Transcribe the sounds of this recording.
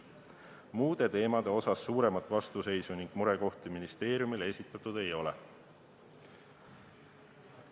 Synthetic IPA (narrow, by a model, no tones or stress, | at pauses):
muːd̪̥e̞t̪e̞ːmɑd̪e̞o̞sɑsːuːɾe̞mɑt̪ːˑvɑst̪use̞jsuniŋɡ̥muɾe̞ko̞ht̪iminist̪e̞ːɾjumile̞sʲit̪ˑːɑt̪ːˑud̪̥e̞jo̞lɛ̰